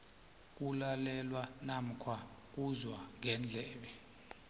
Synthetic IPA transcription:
k̬ʼulalɛlwanam̩kʰwak̬uzwaŋɛnd͡ɮʱɛːɓɛ

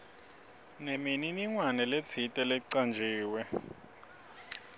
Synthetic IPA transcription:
nemininiŋwanɛlet͡sʰitʼɛlɛǀand͡ʒʱiːwɛ

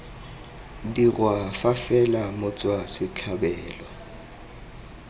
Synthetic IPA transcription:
dirwafafɛlamʊt͡sʼwasɪt͡ɬʰabɛːlɔ

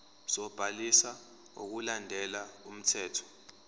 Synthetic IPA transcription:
z̥ɔb̥ʱalisa | o̰k̬ulandʱɛlaum̩tʰɛːtʰɔ̥

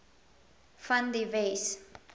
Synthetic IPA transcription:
fãndives

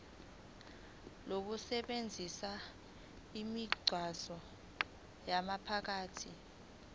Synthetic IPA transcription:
lok̬usɛɓend͡zʱisa | imiɡ͡ǀʱwasɔ | jamapʰak̬aːtʰi

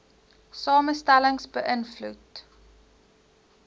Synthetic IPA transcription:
sɑːməstæləŋsbəʔənflut

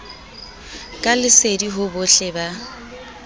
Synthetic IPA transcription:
kʼalɪsediɦʊbʊɬɛba

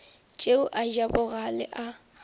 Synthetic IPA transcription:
t͡ʃʼeʊʔaʒabʊɣalɪ̰ʔa

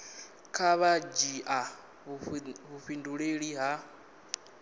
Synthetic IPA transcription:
kʰaβad͡ʒiʔa | βuɸinduɺeɺiɦa

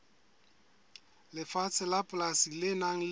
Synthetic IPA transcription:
lɪfat͡sʰɪlapʼlasilɪnaŋ̩l

